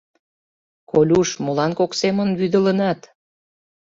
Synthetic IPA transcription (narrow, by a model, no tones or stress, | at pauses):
kolʲuʃmolɑnkoksemənβyd̪ə̆lənɑt̪